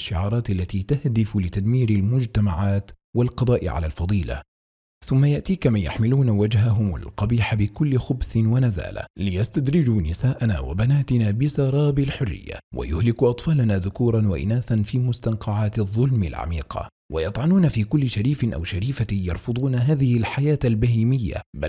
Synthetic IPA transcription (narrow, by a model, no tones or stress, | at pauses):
ʃːɪʕɑːɾˤɑːt̪ʔalːat̪iːt̪ahd̪ɪflɪt̪ad̪miːɾɪlmʊd͡ʒt̪amaʕaːt̪walqɑd̪ˤɑːʔɪ̰ʕa̰laːlfɑd̪ˤiːla̰ | θʊmːajaʔt̪iːkamanja̰ħmɪluːnawad͡ʒɦaɦʊma̰lqɑbiːħabɪkʊlːɪxʊbsɪnwanaza̰ːla̰lɪjast̪ad̪ɾɪd͡ʒuːnɪsaːʔana̰ːwa̰banaːt̪ɪnaːbɪsɑɾˤɑːbɪlħʊrːɪ̰jːa̰wʔa̰jʊhlɪkʔɑt̪ˤfɑːlanaːðʊkuːɾˤɑnwaʔɪ̰naːθanfiːmʊst̪anqʰɑʕaːt̪ðˤːʊlmɪ̰lʕa̰miːqʰɑ̰ | wajɑt̪ˤʕɑnuːnafiːkʊlːɪʃaɾiːfɪnʔa̰wʃaɾiːfajɑɾˤfʊd̪ˤuːnaɦaːðɪhɪlħajaːt̪albahiːmɪjːa̰ba